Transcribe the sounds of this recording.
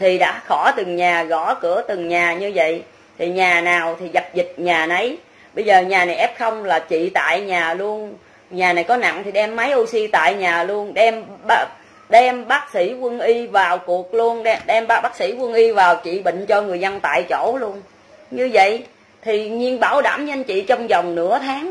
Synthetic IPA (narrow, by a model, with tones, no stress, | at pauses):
t̪ʰi˨˩ɗa̰ː˧˥xɔ˧˩t̪ɨ˨˩ŋɲaː˨˩ɣɔ˧˩kɨ̰˧˩ət̪ɨ˨˩ŋɲaː˨˩ɲɨ˧və̰˧˨j | t̪ʰi˨˩ɲaː˨˩naː˨˩wt̪ʰi˨˩ɣa˨˩p̚zi˨˩t̚ɲaː˨˩nə˨˦j | ɓə˧jzəː˨˩ɲaː˨˩na˨˩jʔɛ˦˥p̚xə˧wŋ͡mlaː˨˩t͡ɕḭ˧˨t̪a̰ː˧˨jɲaː˨˩lu˧ən | ɲaː˨˩na˨˩jkɔ˨˦na̰˧˨ŋt̪ʰi˨˩ɗɛ˧mːə˨˦jʔu˧si˧t̪a̰ː˧˨jɲaː˨˩lu˧ənɗɛ˧mɓa˧˦ | ɗɛ˧mɓaː˦˥k̚sḭ˧˩˥kwə˧nʔi˧vaː˨˩wku˨˩ək̚lu˧ənɗɛ˧ɗɛ˧mɓa˦˥ɓaː˦˥k̚sḭ˧˥kwə˧nʔi˧vaː˨˩wt͡ɕḭ˧˨ɓḭ̈˧˨ŋ̟t͡ɕɔ˧ŋɨ˨˩əjzə˧nt̪a̰ː˧˨jt͡ɕo̰˧˥lu˧ən | ɲɨ˧və̰˧˨j | t̪ʰi˨˩ɲi˧ənɓaː˧˩wɗa̰ː˧˩mɲə˧nt͡ɕḭ˧˨t͡ɕɔ˧wŋ͡mzɔ˨˩wŋ͡mnɨ̰˧˥ət̪ʰaː˨˦ŋ